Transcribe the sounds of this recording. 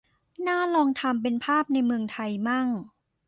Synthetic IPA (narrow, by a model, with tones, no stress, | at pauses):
naː˥˩lɔː˧ŋt̪ʰa˧mp̬e˧npʰaː˥˩p̚na˧jmɯ˧əŋt̪ʰa˧jma˥˩ŋ